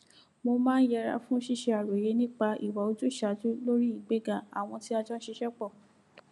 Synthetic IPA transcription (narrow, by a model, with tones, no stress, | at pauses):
mo˧mãː˦n̩˦jɛ˧ɾa̰˧fũ˦o˦ʃi˦˨ʃe˧a˨ɾo˨je˨˧˦nĩ˦k͡pa˧ʔi˨wa˨˦o˧tu˦˨ʃa˨tu˦lo˦ɾi˦i˦˨ɡ͡be˦ɡã˧˨a̰˨w̃ɔ̃˧ti˦a˧d͡ʒɔ˦ʃi˧ʃɛ˦k͡pɔ˦˨